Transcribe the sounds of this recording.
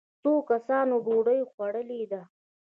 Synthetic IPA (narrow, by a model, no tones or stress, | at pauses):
t͡sokasɑnoɖoɽəjxwaɽəlid̪a